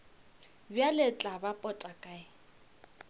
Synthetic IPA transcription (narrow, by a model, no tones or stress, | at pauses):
bjalɪt͡ɬʼabapʼɔtʼakʼaɪ